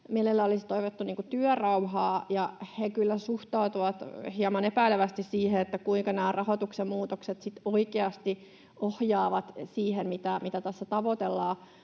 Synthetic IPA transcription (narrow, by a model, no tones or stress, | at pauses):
mielelːæolist̪oiʋot̪ːuniːŋkut̪yœrɑuhɑːjɑhekylːæsuht̪ɑut̪uʋɑt̪hiɑmɑnepæileʋæst̪issiːheet̪ːækuiŋkɑnæːrʔɑhot̪uksemmuːt̪okset̪sit̪oikeɑst̪i | ʔohjɑːʋɑt̪siːhemmit̪æmit̪æt̪æsːæt̪ɑʋot̪elːɑː